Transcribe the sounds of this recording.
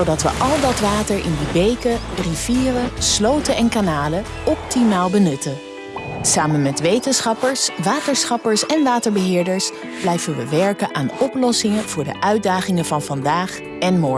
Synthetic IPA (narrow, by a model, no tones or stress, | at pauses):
zowdɑtʋə̰ʔɑlˠdɑtʋaːtəɹʔɪ̰ndibejkəriviːrəslowtənɛnkanaːlə | ɔp̚timaːlˠbənɵtə | saːmənmɛtʋejtənsχɑpəɹsʋaːtəɹsχɑpəɹsɛnʋaːtəɹbəɦɪːɹdəɹs | b̥lɛjvənʋəʋɛɹkənʔaːnɔplɔsɪŋəv̥ʊːɹdə̰ʔœɥt̚daːχɪŋəvɑnvɑndaːχ | ɛnmɔɹ